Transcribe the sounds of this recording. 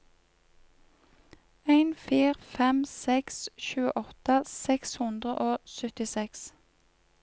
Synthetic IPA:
æɪnfiːʁfɛmsɛksʃʉːə̰ʔɔt̪əsɛkshʉnd̪ʁəʔoːsœt̪ɪsɛks

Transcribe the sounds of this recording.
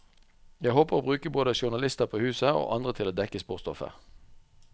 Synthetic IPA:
jæɪhoːpəʁoːbʁʉːkəboːd̪əʃʊnɑlɪst̪əʁpʰoːhʉːsəo̰ːʔɑnd̪ʁət̪ʰɪloːd̪ɛkəspuːʁst̪ɔfə̰

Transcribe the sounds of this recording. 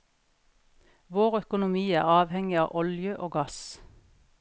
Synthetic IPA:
ʋoːʁœkʊnʊmiːæ̰ːʁɑːʋhɛŋɪɑ̰ːʔɔljəʔoːɡɑs

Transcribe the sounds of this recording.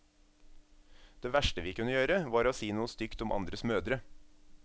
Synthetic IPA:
d̪̥eːʋæʃʈəʋiːkʉnəjøːɾəʋɑːɾoːsiːnuːəst̪ʏkt̪ʊmʔɑ̰nd̪ɾəsmøːd̪ɾə

